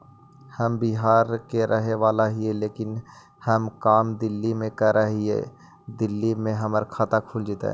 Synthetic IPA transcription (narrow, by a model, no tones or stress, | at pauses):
hɐmbiɦaːɾkeɾʔɐɦeʋaːlaɦieleːkɪn | hɐmkaːmd̪ɪlːimẽkəɾəɦiḛ | d̪ɪlːimẽɦɐməɾkʰaːt̪akʰuːld͡ʒɪt̪ḛ̃